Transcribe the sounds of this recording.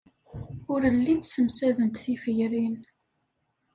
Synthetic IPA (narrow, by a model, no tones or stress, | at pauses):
ʊɾəlːid̪səmsæðənt̪θifəʝɾin